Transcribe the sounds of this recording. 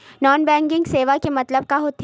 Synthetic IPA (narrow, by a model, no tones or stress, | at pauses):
nɔːnbɛ̃ːŋɡɪ̃ŋɡseːʋakemɐt̪ləb̚kaɦot̪